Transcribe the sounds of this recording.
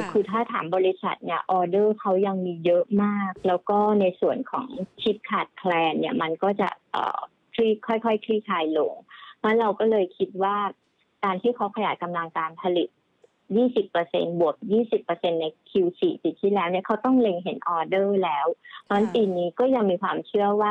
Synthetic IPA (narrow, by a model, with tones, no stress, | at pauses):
kʰɯː˧t̪ʰaː˥˩t̪ʰa̰ː˩˦mbɔː˧li˦˥sa̰˨˩t̪̚ni˥˩ɐʔɔː˧dɤː˥˩kʰa˦˥wja˧ŋmiː˧jɤ˦˥maː˥˩k̚lɛː˦˥wkɔː˥˩na˧jsu˨˩ənkʰɔ̰ː˩˦ŋt͡ɕʰi˦˥t̪̚kʰaː˨˩t̪̚kʰlɛː˧nːi˥˩ɐma˧nkɔː˥˩t͡ɕa̰˨˩ʔʔɤ̰ː˨˩ | kʰliː˥˩kʰɔ˥˩jkʰɔ˥˩jkʰliː˥˩kʰaː˧jlo˧ŋma˦˥ɾa˧wkɔː˥˩lɤː˧jkʰi˦˥t̪̚waː˥˩ | kaː˧nt̪ʰiː˥˩kʰa˦˥wkʰa˧ja̰ː˨˩ka˧mla˧ŋkaː˧npʰa˧li˨˩t̪̚ | jiː˥˩si˨˩pːɤː˧sḛ˧nbu˨˩ək̚jiː˥˩si˨˩pːɤ˧se˧nːa˧jkʰi˧wsiː˨˩t͡ɕi˨˩t̪ʰːiː˥˩lɛː˦˥wni˥˩ɐkʰa˦˥wt̪ɔ˥˩ŋle˧ŋɦe˩˦nʔɔː˧dɤː˥˩lɛː˦˥wnɔ˦˥nt̪iː˧niː˦˥kɔː˥˩ja˧ŋmiː˧kʰwaː˧mt͡ɕʰɯ˥˩əwaː˥˩